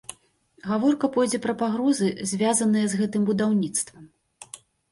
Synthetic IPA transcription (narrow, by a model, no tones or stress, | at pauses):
ɣavɔrkɐpɔjd͡zʲɛpɾɐpaɣɾɔzɨzʲvʲazɐnɨjɛzɣɛt̪ɨmbud̪awnʲit̪st̪vɐm